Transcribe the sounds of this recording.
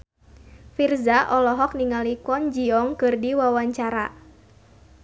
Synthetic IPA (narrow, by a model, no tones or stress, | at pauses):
firzaʔɔlɔɦɔk̚niŋalikɔnd͡ʒiɔŋkɨrdiwawaɲt͡ʃaɾa